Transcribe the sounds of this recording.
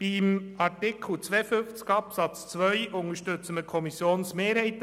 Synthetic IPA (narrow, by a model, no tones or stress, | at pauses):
b̥imɑɾtɪkʰl̩t͡sʋeːəfʏft͡skɑpsɑt͡st͡sʋœʏʔʊŋəʃtʏt͡səməkʰɔmisjoːnsmeːɾhɛɪt̪